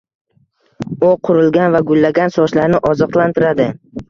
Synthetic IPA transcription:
ʊqʰʊɾɪlɡʲanvaɡʊlːaɡʲansɒʃlaɾnɪʔɒzɒqlˠant̪ʰɪɾad̪ɪ

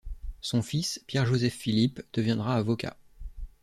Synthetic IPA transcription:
sɔ̃fispjɛʁʒozɛfːilipd̪̥əvjɛ̃d̪ʁaːvɔka̰

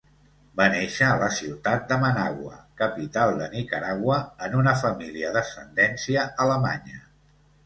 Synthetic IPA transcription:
baneʃəːləsiwt̪at̪̚d̪əmənaɣwə̰kəpit̪alˠd̪ənikəɾaɣwəənunəfəmiliəðəsənd̪ɛnsiəʔələma̰ɲə

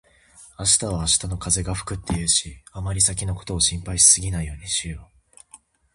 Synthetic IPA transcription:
aɕi̥t̪aβaːɕi̥t̪ano̞kaze̞ɡaɸɯ̟̥kɯ̟t̪ːe̞iɾɯ̟ɕiamaɾʲisak̬ʲino̞ko̞̥t̪o̞ːɕĩmpaiɕi̥sɨɡʲinaijo̞ːɲ̟iɕio

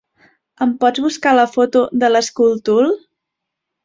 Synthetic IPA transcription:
əmpɔd͡zβuskaləfot̪ud̪ələskulˠt̪ulˠ

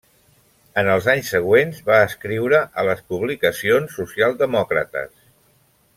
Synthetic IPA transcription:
ənəlˠzaɲsːəɣ̞wenzβaəskɾiwɾəʔələspuβlikəsionsːusialˠd̪əmɔkɾə̰t̪ə̰s

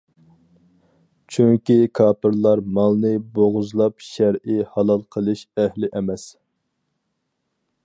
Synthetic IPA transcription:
t͡ʃʰyŋkʲikʰɑːpɨɾlˠɑɾmɑlˠnɨboʁʊzlˠɑpʃæɾɪhɑlˠɑlˠqʰəlˠɨʃæhlɪʔɛmɛs

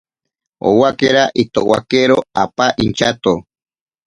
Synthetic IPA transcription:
o̰wakeɾaʔit̪owa̰keɾoa̰paʔint͡ʃat̪o

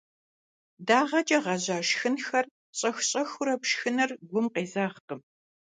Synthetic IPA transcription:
daːʁɐt͡ʃʼɐʁɐʑaːʃxɨnxɐr | ɕʼɐxɕʼɐxʊɾɐpʃxɨnɐrɡʷʊmqeːzaːχqəm

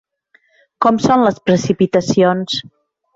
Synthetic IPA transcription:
kɔmsonləspɾəsipit̪əsions

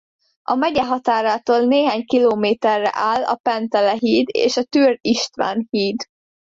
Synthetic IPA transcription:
ɒmɛɟɛɦɒt̪aːɾaːt̪oːlneːɦaːɲkiloːmeːt̪ɛrːɛ̰ʔaːlːɒ̰pɛnt̪ɛlɛɦiːd̪ḛːʃɒt̪yːriʃt̪ʋa̰ːnhiːd̪

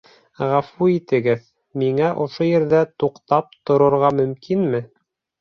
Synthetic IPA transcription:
ʁæfuit̪ɘ̆ɡɘð | miŋæʔŏʃojɘ̆ɾðæt̪uqt̪ɑp̚t̪ŏɾŏɾʁɑmɵ̆mkʰinmɘ

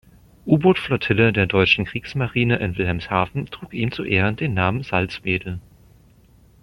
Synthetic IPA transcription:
ʔuːbʊtflɔtʰɪlədeːɐdɔʏt͡ʃn̩kʁ̥iːksmaʁiːnəʔɪnvɪlɦɛmshaːfn̩tʁ̥uːkʔiːmt͡suʔeːʁəndeːnːaːmənzalt͡smeːdl̩

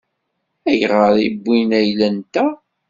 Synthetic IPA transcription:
æjʁəɾˤḭbːinæjlænt̪æ

